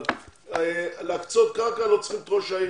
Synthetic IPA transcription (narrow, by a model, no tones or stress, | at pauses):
elakt͡sot̪̚kakalot͡sχimt̪ʁoʃai